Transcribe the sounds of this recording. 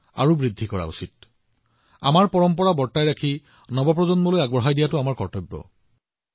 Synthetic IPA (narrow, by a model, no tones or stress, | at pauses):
a̰ɹubɹidʱːikɔɹa̰ṵsit̚ | a̰maɹpɔɹɔmpɔɹabɔɹtajɹakʰi | nɔbɔp̬ɹɔzɔnmɔlojaɡbɔɦajdijatʊamaɹkɔɹtɔjbːɔ̰